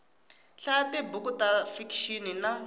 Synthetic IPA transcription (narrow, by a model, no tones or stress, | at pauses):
ɬatibukutafikʃinina